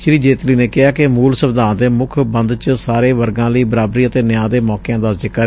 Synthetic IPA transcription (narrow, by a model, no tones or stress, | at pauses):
ʃɾiːd͡ʒeːt̪liːneːkɪɦaːkɪmuːlsəbd̪ʱãːnd̪eːmʊkʰbənd̪t͡ʃsaːɾeːʋəɾɡãːləiːbəɾaːbɾiːət̪eːnɪjãːd̪eːmɔːkeãːd̪aːzɪkːə